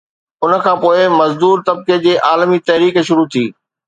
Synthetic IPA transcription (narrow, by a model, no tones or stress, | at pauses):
ʊnə̆kʰãːpoːɪmɐzd̪uːɾt̪ɐb̚ked͡ʑeːʔaːlmit̪ɐɦɾiːkʃʊɾut̪ʰiː